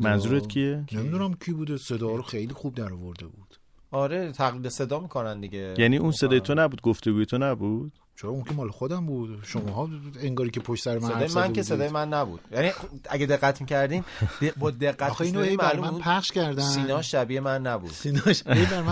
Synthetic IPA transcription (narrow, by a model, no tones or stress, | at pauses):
mænzuːɾet̪kcʰienemid̪unæmcʰibuːd̪ese̞d̪ɒːɾoxejliːxub̚d̪æɾɔvoɾd̪ebud̪̥ | ɒɾe̞t̪ʰæɣlid̪ese̞d̪ɒːmiːkʰonænd̪iɟejæniːunse̞d̪ɒːjet̪ʰonæbuːd̪̚ɡoft̪eɡuːjet̪ʰonæbuːd̪̥ | t͡ʃʰeɾɒunkʰemɒːlexod̪æmbud̪̥ʃomɔɦɒeŋɡɒːɾiːkʲʰepʰoʃt̪sæɾemæsɔjmænkʰese̞d̪ɒːjemænːæbṵd̪̥jæniæɡed̪e̞ɣːæt̪ʰmicʰæɾd̪iːmd̪ebɒːd̪e̞ɢːæt̪inoimælumnuːpʰæχʃkʰæɾd̪æsiːnɒːʃæbiːemænːæbṵd̪̥sinɔʃejbæɾmæ